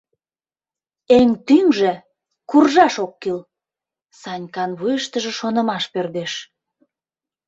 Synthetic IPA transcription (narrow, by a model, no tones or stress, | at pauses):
eŋt̪yŋʒĕ | kurʒɑʃokːil | sɑnʲkɑnβujəʃt̪əʒĕʃonə̆mɑʃpørd̪eʃ